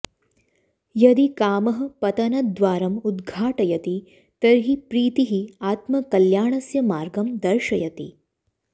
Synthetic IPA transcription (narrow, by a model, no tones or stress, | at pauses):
jɐd̪ikaːmɐɦɐpɐt̪ɐnɐd̪ʋaːɾɐmud̪ɡʱaːʈɐjɐt̪i | t̪ɐɾɦipɾiːt̪iɦiaːt̪mɐkɐljaːɳɐsjɐmaːɾɡɐmd̪ɐɾʃɐjɐt̪ḭ